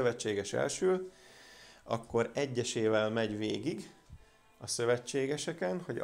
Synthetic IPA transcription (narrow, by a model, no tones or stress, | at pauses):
øvɛt͡ʃːeːɡɛʃɛ̰lʃøː | ɒ̰kːo̞ɾɛɟːɛʃeːvɛlmɛɟveːɡiɡ | ɒsø̞vɛt͡ʃːeːɡɛʃɛkɛnho̞ɟ